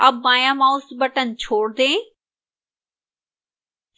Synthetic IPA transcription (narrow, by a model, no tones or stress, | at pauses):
əbãːjãːmãːʊsbəʈənt͡ʃʰoːɽd̪ẽː